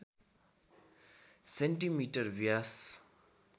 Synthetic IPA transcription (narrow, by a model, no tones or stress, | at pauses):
sɛnʈimiʈəɾʋias